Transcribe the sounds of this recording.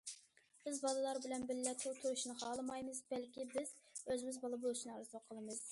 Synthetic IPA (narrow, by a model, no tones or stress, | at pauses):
b̥ɪzbɑlˠɨlˠɑɾbɪlɛnbɪlːɛt̪ʰut̪ʰyɾuʃnɨχɑːlˠɨmɑjmɨzbɛlkʲibɪz̥øzɪmɪzbɑlˠɨbolˠɨʃʰnɨɑɾɨzoqʰːəlˠɨmɨz̥